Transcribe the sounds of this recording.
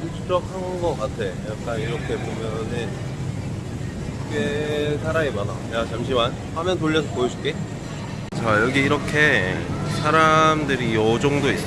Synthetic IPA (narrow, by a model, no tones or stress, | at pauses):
ut͡ɕʰut͡ɕ͈ʌk̚hanɡʌk͈atʰe̞jak̚k͈aniɾʌkʰe̞pomjʌnɯn | k͈esʰaɾaemana̰jat͡ɕamɕ̬ʰiman | hamjʌntoʎːʌsʰʌpojʌɕʰi̥k͈e | t͡ɕajʌɡiːɾʌkʰe̞̰sʰaɾamdɯɾijʌd͡ʑʌŋdois